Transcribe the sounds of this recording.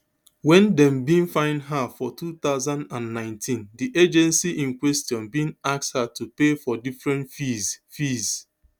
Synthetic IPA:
wɛ̃ndɛ̃mbĩnfãɪ̃ndɦafɔtʰut̪aʊzãndãnnãɪ̃ntʰĩndiʔed͡ʒɛ̃nsiʔĩnkwɛstjɔ̃nbĩnakshatupefɔdifɹɛ̃ntfizfiz̥

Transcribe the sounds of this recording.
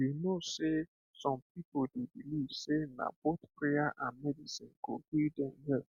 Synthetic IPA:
inose | sɔ̃mpipodebilisena̰bɔtpɾeaʔamɛdisinkoɡuidennɛ

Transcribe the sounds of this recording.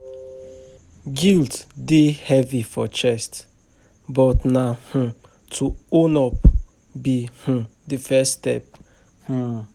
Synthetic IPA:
ɡilddehɛvifɔt͡ʃɛst | bɔtnah̩ | tʰuonɔp | bih̩difɛstɛp̚ | h̩

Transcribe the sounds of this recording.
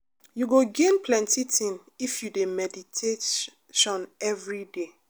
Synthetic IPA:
juɡoɡẽnpʰlɛ̃ntitʰĩn | ifjudemɛditʰe | ʃɔ̃nɛvɹide

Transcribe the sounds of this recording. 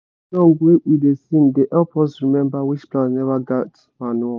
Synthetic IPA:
lɔ̃ŋɡweidesĩndeʔɛpʰɔsɹimɛ̃mbawit͡ʃplãsnɛvaɡat | manuɔ

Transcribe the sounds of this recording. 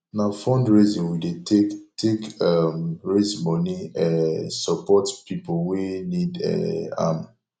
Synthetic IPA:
nafɔ̃ndɹezĩnwideetʰekamɹezmɔniɛsɔpɔtpipowinidɛ̰a̰m

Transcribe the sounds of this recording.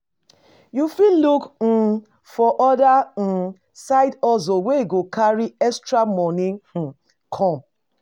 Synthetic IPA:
jufilukn̩ | fɔʔɔdan̩ | saɪdɔzoweɡokʰaɾiɛstɾamɔnĩŋ̩ | kʰɔ̃m

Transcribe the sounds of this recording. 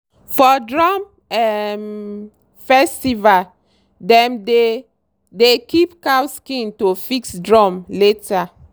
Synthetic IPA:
fɔdɹɔm | ɛm | fɛstival | dɛ̃mde | dekipkawskĩntofiksdɹɔmleta

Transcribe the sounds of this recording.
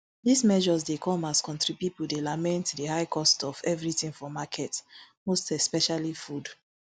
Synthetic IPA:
dismɛʒɔzdekɔ̃maskɔ̃ntɹipipudelamɛ̃ntdihaɪkʰɔstɔvɛvɹitĩŋfɔmakʰɛtmostɛspɛʃalifud

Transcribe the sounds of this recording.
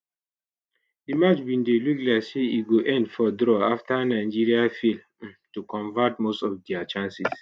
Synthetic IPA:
dimat͡ʃbĩndeluklaɪkseiɡoʔɛ̃ndfɔdɾɔaftanaɪd͡ʒiɹiafil | tukɔ̃ɱvatmostɔfdɛat͡ʃãnsis

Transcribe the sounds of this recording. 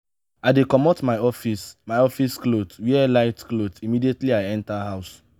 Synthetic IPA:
aɪdekɔmɔtmaɪɔfismaɪɔfisklotwiɛlaɪtklotimidietliaɪɛ̃ntaɦaʊs

